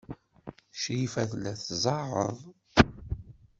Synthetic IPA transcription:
ʃifæθlːæθzˤɑʁə̰ðˤ

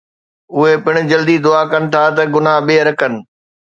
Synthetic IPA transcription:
ʊɦepɪɽ̃ʊ̆d͡ʑɐld̪id̪ʊaːkɐnɪ̆t̪ʰat̪̬ɐɡʊnaɓeːɾɐkənɪ̆

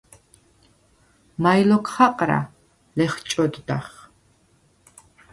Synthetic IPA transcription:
majlɔkʰχaqʼɾa̰ | lɛχt͡ʃʼɔd̪d̪a̰χ

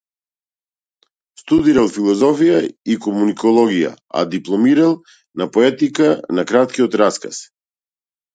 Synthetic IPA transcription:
st̪ud̪iɾalˠfilˠɔzɔfijaikɔmunikɔlˠɔɡija̰ | a̰d̪iplˠɔmiɾalˠ | napɔɛt̪ikanakɾat̪̚kiɔt̪ɾaska̰s

